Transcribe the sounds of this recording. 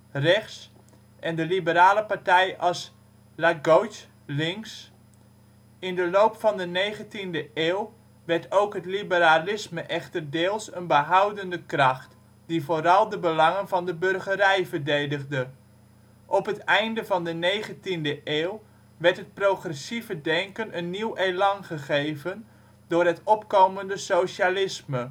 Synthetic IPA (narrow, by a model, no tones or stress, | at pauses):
rɛχs | ʔɛndəlibəɾaːləpartɛjɑs | laɡowt | lɪŋks | ɪndəlowpfɑndənejχəntindəʔeːw | ʋɛrtowkɦətlibəɾalɪsməʔɛχtərdeːlˠsənbəɦawdəndəkrɑχt | divoːɾɑlˠdəbəlɑŋənvɑndəbɵrχəɾɛjvərdejdəχdə | ʔɔpɦətɛjndəvɑndənejχəntindəʔeːw | ʋɛrtɦət̚proχrɛsivədɛŋkənənːiwejlɑŋχəχejvən | dʊːrɦətɔpkowməndəsowʃalɪsmə